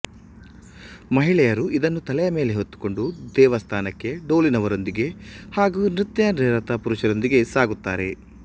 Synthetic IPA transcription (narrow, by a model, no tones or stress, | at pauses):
mɐɦiɭɛjɐɾuʔid̪ɐnːut̪ɐlɛjɐme̞ːle̞ɦot̪ːu̥ko̞ɳɖud̪ɛːʋɐst̪ʰaːnɐkːe̞ɖo̞ːlinɐʋɐɾo̞nd̪iɡe̞haːɡuːnɾit̪jɐnɛːɾɐt̪ɐpuɾuʃɐɾo̞nd̪iɡe̞saːɡut̪ːaːɾe̞